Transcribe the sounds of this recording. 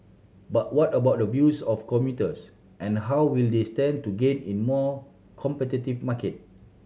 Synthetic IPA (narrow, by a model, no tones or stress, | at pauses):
bat̚wɔtəbaʊt̚dəvjusɔfkɔmjutəs | ʔɛ̃nɦawwildestɛ̃ntuɡẽnĩnmɔ | kʰɔ̃mpɛtitifmakət̚